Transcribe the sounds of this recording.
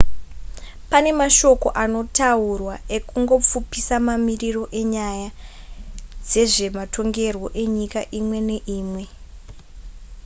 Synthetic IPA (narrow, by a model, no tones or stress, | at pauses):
pane̞maʃo̞ko̞̰ʔano̞taurwae̞kuŋɡo̞p͡fupisamamiriro̞ʔe̞ɲaja | d͡ze̞ʐe̞matʰo̞ŋɡe̞rwo̞ʔe̞ɲikaʔimwe̞ne̞ʔiːmwe̞